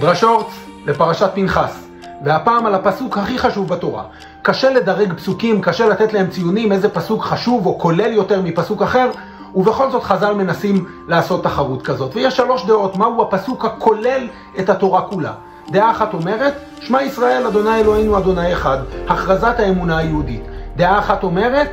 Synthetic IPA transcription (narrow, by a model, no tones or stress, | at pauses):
dʁaʃo̞ʁt͡s | le̞paʁaʃat̪̚pinχas | vehapaːmalapasukhaχiχaʃuvbato̞ʁa̰ | kaʃe̞le̞d̪aʁe̞ɡpsukimkaʃe̞lat̪e̞t̪lahe̞mt͡sijunimeze̞pasukχaʃuvo̞ko̞le̞ljo̞te̞ʁmipasukaχe̞ʁ | uve̞χo̞lzo̞t̪χazalme̞nasim | laːso̞t̪ːaχaʁutkazo̞tvejeʃːalo̞ʃd̪e̞ʔo̞tmauhapasukhakʰo̞le̞l | e̞thato̞ʁakula̰ | d̪eʔaːχato̞me̞ʁe̞t̪ | ʃmaisʁae̞lad̪o̞najelo̞hinuad̪o̞najeχad̪haχʁazathae̞munaajeuditd̪eʔaːχato̞me̞ʁe̞t̪